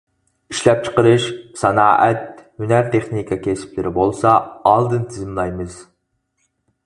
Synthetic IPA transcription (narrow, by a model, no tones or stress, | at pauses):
iʃlɛp̚t͡ʃʰə̥qəɾɨʃsɑnɑːʔɛt̪̚hynæɾt̪ʰeχnikʰɑkʲʰesɪ̥plɪɾɪbolˠsɑːlˠd̪ɨnt̪ʰɪzɪmlˠɑjmɨz̥